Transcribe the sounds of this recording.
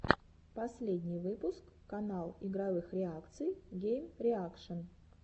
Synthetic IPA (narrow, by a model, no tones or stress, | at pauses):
pɐsʲlʲedʲnʲɪjvɨpʊskːɐnalˠɪɡɾɐvɨxɾʲɪakt̪sɨjɡʲejmɾʲɪakʂən